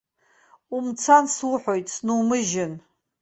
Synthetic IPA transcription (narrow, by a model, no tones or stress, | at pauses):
umt͡sʰanswuħʷojtʼsnuwmɨʒɪn